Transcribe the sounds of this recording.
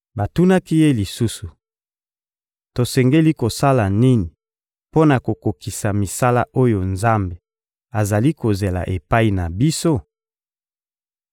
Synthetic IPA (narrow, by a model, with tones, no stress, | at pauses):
ba˨tu˦na˦ki˦je˦li˨su˦su˨ | to˨sɛ˨ŋɡe˦li˦ko˨sa˦la˨ni˦ni˨ | po˦na˨ko˨ko˨ki˨sa˨mi˨sa˦la̰˦ʔo˦jo˨nza˦mbe˨ | a˨za˨li˦ko˨ze˨la̰˨ʔe˨pa˦i˦na˨bi˦so˦